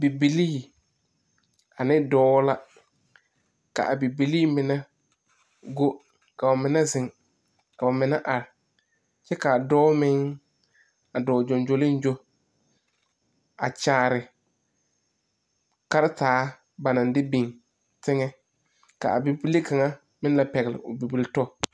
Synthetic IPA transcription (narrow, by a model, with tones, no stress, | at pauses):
bi˨bi˨liː˦˨ | a˨nɪ˦dɔː˨˦la˦ | ka̰˨ʔa˨bi˨bi˨liː˦mɪ˨nɛ˦ | ɡo˦ | ka˨ba˨mɪ˨˦na˦zɪ˨ŋ | ka˨ba˨mɪ˨na˦ʔa˨ɾɪ˨ | t͡ʃɛ˦ka˨dɔː˦mɪ˦ŋ | a˨dɔː˨d͡ʒɔ˨nd͡ʒo˨lɪ˦n˦d͡ʒo˦ | a̰˨t͡ʃaː˨˦˨ɾɪ˨ | ka˦ɾɪ˦taː˨˦ | ba˨na˨n˦dɪ˦bi˨ŋ | tɪ˦ŋɛ˦ | ka̰˨a̰˨bi˨bi˦le˦ka˨ŋa˦ | mɪ̃˦n˦la˨pɛ˨ɣɪ˨lɪ̰˨ʊ˨bi˨bi˨ltɔ˦˨